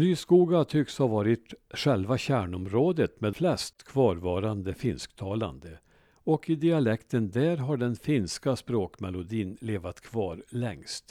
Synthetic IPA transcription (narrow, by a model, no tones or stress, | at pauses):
nyːskuːɡat̪ʰʏkshavɑːɾɪt̪ɧɛlvaɕæːɳɔmɾoːd̪ət̪meːd̪flɛst̪kʰvɑːɾvɑːɾand̪əfɪnskt̪ʰɑːla̰nd̪ə | ɔkɪd̪ɪalɛkt̪ənd̪æːɾɦaɖɛnfɪnskaspɾoːkmɛlʊd̪iːnleːvat̪kʰvɑːɾlɛŋst̪